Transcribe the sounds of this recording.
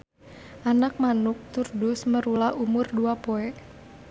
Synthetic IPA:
ʔanak̚manʊk̚t̪urdʊsməɾulahʔumʊrduapoɛʔ

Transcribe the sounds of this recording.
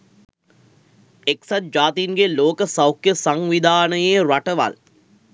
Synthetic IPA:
eksat̪̚d͡ʒaːt̪inɡeloːkəsɐwkjəsaŋʋid̪ʱaːnəjeɾaʈəʋa̰l

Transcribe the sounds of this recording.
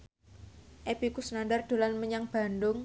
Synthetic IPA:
ʔeb̥ikusnandard̪̥o̤lanməɲaŋb̥a̤ndʊŋ

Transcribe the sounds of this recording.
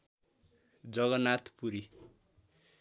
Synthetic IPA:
d͡zʌɡʌnat̪ʰpuɾi

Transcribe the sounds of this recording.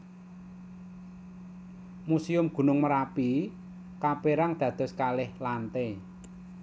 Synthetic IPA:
musiʊmɡ̥ṳnʊŋməɾapi | kapeɾaŋd̪̥ä̤d̪̥ɔ̤skalɪhlant̪e

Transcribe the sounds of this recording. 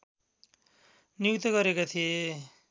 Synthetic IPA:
nijukt̪ʌɡʌɾekot̪ʰie

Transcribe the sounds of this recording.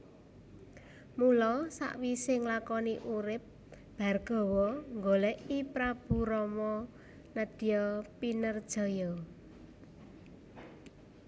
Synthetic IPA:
mulɔsa̰ʔwisɪŋlakɔniʔuɾɪp̚ | b̥a̤rɡ̥ɔ̤wɔŋɡolɛʔipɾab̥ṳɾɔmɔ | nəd̥ijɔpinərd̥ʒ̥ɔ̤jɔ

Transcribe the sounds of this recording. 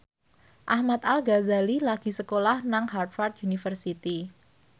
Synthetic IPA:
ʔahmat̪alɡazalilaɡ̥i̤səkolahnaŋhart̪fart̪junifərsit̪i

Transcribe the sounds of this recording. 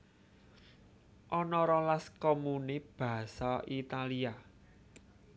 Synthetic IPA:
ʔɔnɔɾɔlaskɔmuneb̥a̤saʔit̪alia

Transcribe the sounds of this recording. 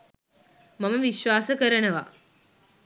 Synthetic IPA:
maməʋiʃʋaːsəkəɾənəʋa̰

